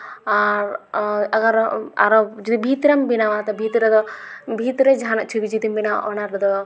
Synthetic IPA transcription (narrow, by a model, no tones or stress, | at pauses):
aɾɐɡɐɾa̰ɾod͡ʒɐd̪ibʱit̪ɾɐmbinaʋat̪ɐbʱit̪ɾɐd̪ɔbʱiːt̪ɾɐd͡ʒʱaːnɐʔt͡ʃʰubid͡ʒit̪imbina̰ʔɔnɐɾd̪ɔ